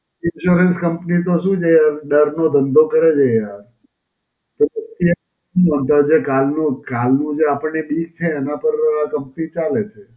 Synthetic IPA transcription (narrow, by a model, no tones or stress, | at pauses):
ɪnʃuɾənskəmpnit̪̬oʃũd͡ʒəjaɾɖəɾnod̪ʱənd̪ʱokəɾed͡ʒəjaɾ | t̪oət̪ie | ũənt̪ad͡ʒekalnũkalnũd͡ʒeapəɳnebiɡ̚t͡ʃʰeːnãpəɾakəmpnit͡ʃalet͡ʃʰe